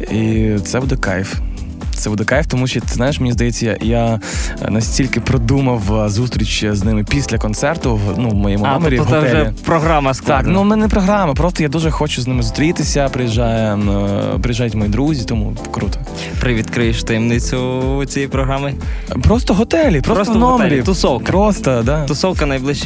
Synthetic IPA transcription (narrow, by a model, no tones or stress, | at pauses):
it̪sɛbud̪ɛkɑjf | t̪sɛbud̪ɛkajft̪ɔmuʃt̪ɪznajɪʃmnʲizd̪ɐjɛt͡sʲːɐja̰janɐsʲtʲilʲkɪpɾɔd̪umɐwzust̪ɾʲit͡ʃʲːiznɪmɪpʲisʲlʲɐkɔnt̪sɛrt̪ʊnumɔjɛmʊɔmeɾʲiɦɔɛɛʒɛipɾɔɦɾamɐsklˠanumɛnɛpɾɔɦɾɑmɐpɾɔst̪ɔjad̪uʒɛxɔt͡ʃʊznɪmɪzʊst̪ɾʲit̪ɪsʲɐpɾɪjiʒɑjɛ | pɾɪjiʒajʊtʲmɔjid̪ɾuzʲit̪ɔmṵ | kɾut̪ɔ̥ | pɾɪʋʲid̪kɾɪɪʃt̪ɪmnɪt͡sʲʊːt͡sʲijipɾɔɦɾamɪpɾɔst̪ɔɦɔt̪ɛlʲipɾɔɔsnɔmeɾʲit̪ʊsɔwkɐpɾɔst̪ɐd̪at̪ʊsɔwkɐnɐjblˠɪʃ